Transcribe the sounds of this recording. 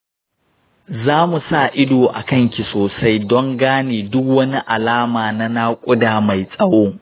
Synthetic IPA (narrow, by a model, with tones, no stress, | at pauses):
zaː˦mu˨sa˦˨ʔɪ˦doː˨ʔa̰˨kɐ˦ŋkʲi˨soː˨sa˦jdɔ˦ŋɡaː˦neː˨dʊ˦k̚wɐ˦ni˦ʔa˨laː˦maː˨na˦na˦kʷʼʊ˦daː˨ma˨jsʼɐ˦woː˦